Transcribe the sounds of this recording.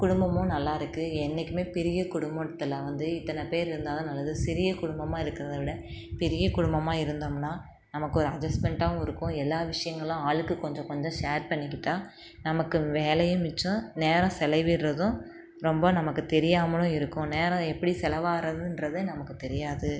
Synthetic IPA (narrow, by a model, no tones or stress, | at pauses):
kʊɽʊmbɐmʊ̃nɐlːaːɪɾɯkːɯɛnːɛkʲːɯmeːpɛɾɪjɐkʊɽʊmbɐt̪ːɐlaʋɐnd̪ɯɪt̪ːɐnɐpeːɾɪɾɯnd̪aːðɐ̃nɐlːɐðɯsɪɾɪjɐkʊɽʊmbɐmaːɪɾɯkːɪɾɐðɐʋɪɽɐ | pɛɾɪjɐkʊɽʊmbɐmaːɪɾɯnd̪ɐmnːaː | nɐmɐkːɯɔɾɯɐd͡ʒɐsʈmɛɳʈãːɪɾɯkːʊ̃ɛlːaːʋɪʂɐjɐŋɡɐɭlãaːɭɯkːɯkɔɲd͡ʒɔ̃kɔɲd͡ʒɔ̃ʂeːɾpɐɳːɪk̬ʲːɪʈːaː | nɐmɐkːɯʋeːlɐjɯ̃mɪt͡ʃːʊ̃neːɾɐ̃sɛlɐɪʋɪɾrɐðʊ̃ | ɾɔmbɐnɐmɐkːɯt̪ɛɾɪjaːmɐɭʊ̃ɪɾɯkːʊ̃neːɾɐ̃ɛpːɐɽisɛlɐʋaːɾɐðɯ̃ɪnɾɐðenɐmɐkːɯt̪ɛɾɪjaːðɯ